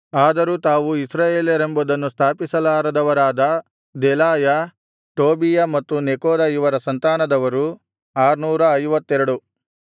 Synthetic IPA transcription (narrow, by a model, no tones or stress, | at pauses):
aːd̪ɐɾut̪aːʋuisɾaːjeːljɐɾembud̪ɐnːust̪ʰaːpisɐlaːɾɐd̪ɐʋɐɾaːd̪ɐ | d̪ɛlaːjɐ | ʈoːbijɐmɐt̪ːunekoːd̪ɐjiʋɐɾɐsɐnt̪aːnɐd̪ɐʋɐɾu | aːɾnuːɾɐɐjʋɐt̪ːɛɾɐɽu